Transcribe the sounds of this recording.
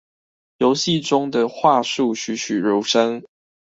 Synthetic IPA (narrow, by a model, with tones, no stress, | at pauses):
jo˧˦ʊɕi˥˨ʈ͡ʂʊ˥ŋd̪ə˨xwa˥˧ʂu˥˨ɕy˨˥ɕy˨˩ɻu˨˥˦ʂə˦ŋ